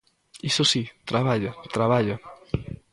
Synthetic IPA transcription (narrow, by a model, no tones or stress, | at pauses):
isosit̪ɾaβ̞aʎat̪ɾaβaʎa